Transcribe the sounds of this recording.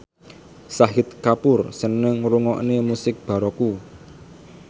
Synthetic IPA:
saɦɪt̪̚kapʊrsənəŋruŋɔʔnemusɪk̚b̥a̤ɾɔku

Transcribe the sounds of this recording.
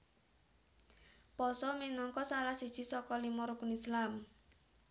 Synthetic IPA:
pɔsɔminɔŋkɔsalahsid̥ʒ̥i̤sɔkɔlimɔɾukunislam

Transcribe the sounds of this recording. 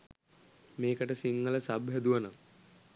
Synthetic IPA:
meːkəʈəsiŋːələsabɦɛd̪uʋənam

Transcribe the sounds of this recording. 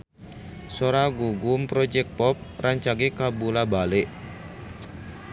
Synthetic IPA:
soɾaɡuɡumpɾɔd͡ʒɛk̚pɔp̚rʔaɲt͡ʃaɡekabulabalɪʔ

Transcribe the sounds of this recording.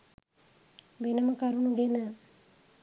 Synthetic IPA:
benəməkaɾunuɡenə

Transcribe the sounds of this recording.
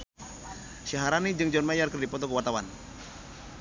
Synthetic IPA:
ʃaɦaɾanid͡ʒɨŋd͡ʒɔnmajarkərdipɔt̪ɔkəwat̪awan

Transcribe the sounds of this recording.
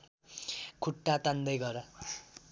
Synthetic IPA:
kʰuʈːat̪and̪ʌjɡʌɾʌ

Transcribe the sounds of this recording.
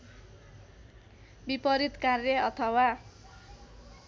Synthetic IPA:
bipʌɾit̪karjʌʌt̪ʰʌwa

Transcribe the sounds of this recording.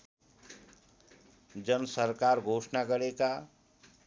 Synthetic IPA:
d͡zʌnsʌɾkaɾɡʱosnaɡʌɾeka

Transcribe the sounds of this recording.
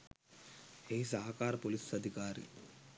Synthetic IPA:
eis̬aɦkaːɾpolisɐd̪ʱikaːɾḭ

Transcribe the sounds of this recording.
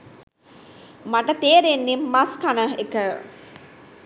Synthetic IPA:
maʈət̪eːɾenːimːaskanəɦekə

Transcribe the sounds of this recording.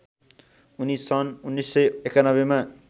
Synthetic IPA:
unisʌnunːisʌjekanʌbema

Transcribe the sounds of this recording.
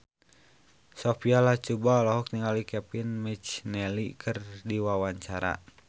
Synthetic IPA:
sofialaht͡ʃubaɔlɔɦɔk̚niŋalikɛpinmit͡ʃnɛlikʰɨrdiwawaɲt͡ʃaɾa̰

